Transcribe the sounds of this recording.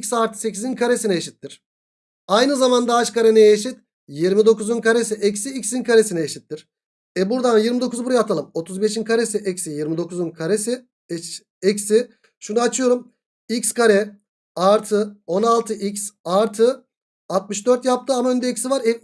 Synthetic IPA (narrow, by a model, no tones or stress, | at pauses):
cʲsaɾt̪ʰɯ̥se̞cʰizinkʰaɾe̞sinɛeʃit̪ːiɾ̥ | ajnɯzamand̪aat͡ʃkaɾenɛjeʃit̪ | jiɾmid̪o̞kuzunkʰaɾe̞siʔɛcsiːcʲsinkʰaɾesinɛːʃit̪ːiɾ̥ | ɛbuɾd̪anjiɾmid̪o̞kʰuzbuɾajat̪ʰalˠɯmo̞t̪ʰuzbeʃinkʰaɾe̞siʔɛcsijiɾmid̪o̞kuzunkʰaɾesi | ɛcsi | ʃunaat͡ʃʰɯjo̞ɾum | icʲskʰaɾɛ | aɾt̪ʰɯo̞nalˠt̪ʰɯʔicsaɾt̪ʰɯ | at̪̚mɯʃd̪øɾt̪jap̚t̪ʰɯamaø̞nd̪ɛecsivaɾɛ